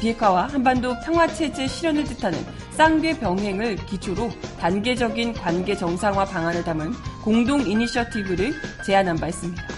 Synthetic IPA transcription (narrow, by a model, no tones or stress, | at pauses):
piɦe̞kʰwawahambandopʰjaŋɦwat͡ɕʰe̞d͡ʑe̞ɕʰiɾjʌnɯɭtɯtʰanɯ̰n | s͈aŋɡe̞pjʌŋɦe̞ŋɯɭkit͡ɕʰoɾotanɡe̞d͡ʑʌɡinkwanɡe̞t͡ɕʌŋsʰaŋwapaŋanɯɭtamɯnkoŋdoŋiniɕʰiʌtʰibɯɾɯɭt͡ɕe̞anambaɦes͈ɯmɲida